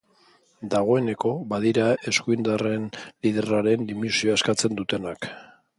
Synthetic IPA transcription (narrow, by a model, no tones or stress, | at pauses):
d̪aɣo̞e̞ne̞ko̞βaðiɾae̞skuind̪are̞nlið̞eraɾe̞nd̪imisioaeskat͡se̞nd̪ut̪e̞nak